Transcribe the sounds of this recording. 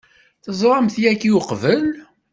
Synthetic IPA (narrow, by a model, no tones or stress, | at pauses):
θəzˤɾˤɑmθjækːiuqvəl